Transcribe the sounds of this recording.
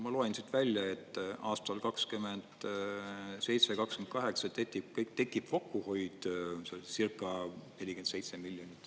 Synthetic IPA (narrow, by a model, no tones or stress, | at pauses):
mɑloensit̪vælʲjɑe̞t̪ːˑʔɑːst̪ɑlkɑkskymend̪̥ | se̞jt̪sekɑkskymnt̪̚kɑɦe̞ksɑt̪etːikkt̪e̞kːˑib̥fokːuhojd̪̥sesirkːˑɑne̞lʲikense̞jt̪se̞milʲjonʲit̪ːˑ